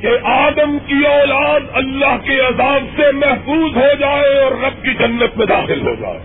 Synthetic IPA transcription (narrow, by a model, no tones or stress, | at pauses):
keʔaːd̪əmkiɔːlaːd̪ɐlːaɦkeɐzaːbsemɛɦfuːzɦod͡ʒaːeɔːɾːɐb̚kid͡ʒɐnːət̪mẽd̪a̰ːxɪlɦo̰ːɡa̰ː